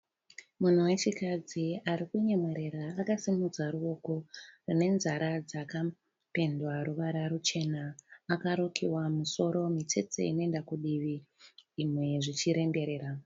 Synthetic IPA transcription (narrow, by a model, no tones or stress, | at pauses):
mun̤uwe̞t͡ʃikad͡ziaɾikuɲemweɾe̞ɾaːkasimud͡zaɾuo̞ko̞rine̞nzaɾad͡zaka | pe̞ndwaɾuʋaɾaɾut͡ʃe̞naːkaɾokʰiwamuso̞ɾo̞mit͡se̞t͡sḛḭno̞endakuɗiʋiː | mwe̞ʐit͡ʃiɾe̞mbe̞ɾe̞ːɾa